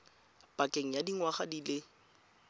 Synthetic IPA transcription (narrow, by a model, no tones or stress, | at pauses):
pʼakʼeŋ̩jadiŋwaχadilɪ